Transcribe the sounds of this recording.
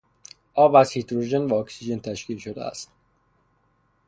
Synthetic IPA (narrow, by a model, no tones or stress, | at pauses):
ʔɒːbæz̥hit̪ʰɾoʒenvæɒːksid͡ʒe̞nt̪ʰæʃkiːlʃod̪ḛæ̰st̪